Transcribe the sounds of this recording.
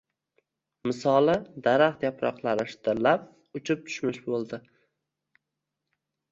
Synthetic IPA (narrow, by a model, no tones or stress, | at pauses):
mɪsɒlˠɪd̪aɾaχt̪japɾɒ̰qlˠaɾɪʃt̪ʰɪɾlap̚ | ʊt͡ʃʰɪp̚t̪ʰʊ̥ʃmɪʃbolˠd̪ɪ